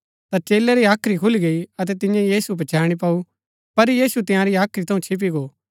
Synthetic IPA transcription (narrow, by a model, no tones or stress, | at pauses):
t̪at͡ʃeːleɾiaːkʰɾikʰʊliɡɐiɐt̪̬ɛt̪ɪ̃jãjiːsubɐt͡ʃaːɽ̃ip̬au | pɐɾjiːsut̪ɪ̃jãɾiaːkʰɾit̪ʰɐũt͡ʃʰɪp̬iɡoː